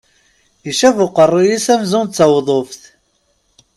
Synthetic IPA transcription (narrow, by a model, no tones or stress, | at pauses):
iʃævʊqərˤːijisæmzʊnt͡sːɑwðˤofθ